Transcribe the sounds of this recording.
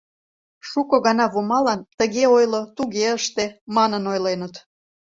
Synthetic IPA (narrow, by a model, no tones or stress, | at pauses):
ʃukoɣɑnɑβomɑlɑnt̪əɣeojlot̪uɣeəʃt̪emɑnənojlenət̪